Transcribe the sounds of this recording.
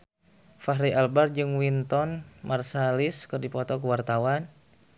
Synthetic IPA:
faɦɾiʔalbard͡ʒɨŋwint̪ɔnmarsaliskɨrdipɔt̪ɔkəwart̪awan

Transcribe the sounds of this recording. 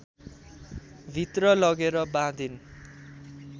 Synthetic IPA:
bʱit̪rʌlʌɡeɾʌbãd̪in

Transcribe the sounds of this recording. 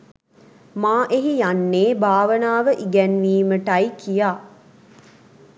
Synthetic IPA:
maːʔeɦijanːeːbʱaːʋənaːʋəʔiɡɛnʋiːməʈɐjkijaː

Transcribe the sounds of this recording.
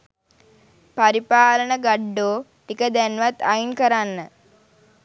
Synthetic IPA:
paɾipaːlənəɡaɖːoː | ʈikəd̪ænʋat̪ːajinkəɾanːə

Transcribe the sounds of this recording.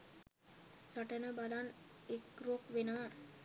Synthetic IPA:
səʈənəbalanekɾokʋenəʋaɾ

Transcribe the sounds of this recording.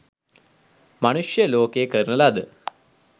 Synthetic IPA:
mɐnuʂjɐloːkekɐɾnɐlaːd̪ɨ

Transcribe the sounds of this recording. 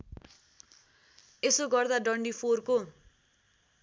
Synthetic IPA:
esoɡʌrd̪aɖʌɳɖipʰorko

